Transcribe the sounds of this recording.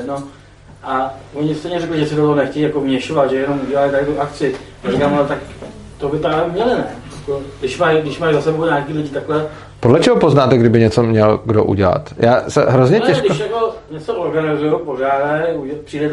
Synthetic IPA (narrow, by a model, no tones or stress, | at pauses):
no | ʔaoɲɪst̪jɲɛrɛklɪʒɛsɪdot̪oɦonɛxcɛjijako̞vmɲɛʃovat̪ʒɛjɛno̞muɟɛlajit̪aɾɪt̪uʔak̚t͡sɪjaɾikaːmɛlɛt̪ak | t̪ovɪpɾaːjɛmɲɛlɪnɛjakoɡdɪʃmajɡdɪʃmajzasɛboɲaːkiːlɪɟiːt̪aklɛ | podlɛt͡ʃɛɦopoznaːt̪ɛɡdɪbɪɲɛt͡somɲɛlɡdo̰ʔṵɟɛla̰t̪jaːsɛ̰ɦɾozɲɛnɛʃdɪʃjako̞ɲɛt͡soʔoɾɡanɪzujopo̞raːdɛupr̥iːdɛt̪